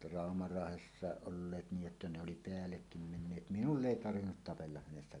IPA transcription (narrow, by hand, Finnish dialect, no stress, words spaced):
rɑˑomɑrɑːhesːɑˑeʔ ʔolːeːt niːʔ ʔetːæ ne oli peælːekːim menːeːt minulː eˑi tɑrʋinːut tɑpelːɑh̆ hænesːæ